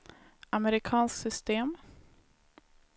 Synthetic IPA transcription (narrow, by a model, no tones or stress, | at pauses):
amɛɾɪkʰɑːnsksʏst̪eːm